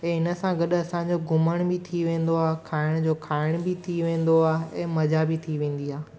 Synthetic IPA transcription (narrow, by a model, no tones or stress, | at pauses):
ɛ̃ːɪnəsãɡɐɗɐsãd͡ʑoɡʱʊməɽ̃bɪt̪ʰiʋẽːn̆d̪oaːkʰaːɪɽ̃d͡ʑoːkʰaːɪɽ̃bɪt̪ʰiʋẽːn̆d̪oaːɦɛ̃ːmɐd͡ʑabɪt̪ʰiʋẽːn̆d̪iaː